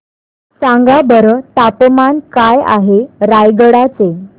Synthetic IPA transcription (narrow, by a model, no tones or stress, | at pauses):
sãŋɡabəɾət̪apmankaja̰ɦeɾajɡəɽat͡se